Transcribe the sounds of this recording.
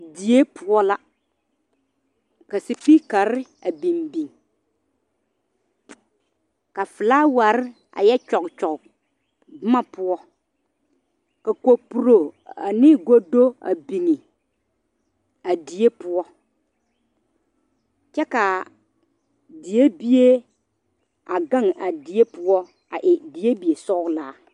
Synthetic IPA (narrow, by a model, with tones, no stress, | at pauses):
di˨e˦pʊ˦ɔ˦la˦ | ka˨sɪ˨pi˦ka˨ɾɪ˦ | a˨bi˨mbi˨ŋ | ka˨fɪ˨la˦wa˨ɾɪ˦ | a̰˨jɛ˦t͡ʃɔ˨kt͡ʃɔ˨k | bɪ˦ma˨pʊ˦ɔ˦ | ka˨ko˨pu˨ɾo˨a˨nɪ˦ɡo˦do˦a̰˨bi˨ŋi˨ | a˨di˨e˦pʊ˦ɔ˦ | t͡ʃɛ˦ka˨ | dɪ˨e˦bi˦e˦ | a˨ɡã˦˨ŋa˨di˨e˦pʊ˦ɔ˦ | a˨ʔɪ˨di˨e˦bi˨e˨sɔ˦laː˨˦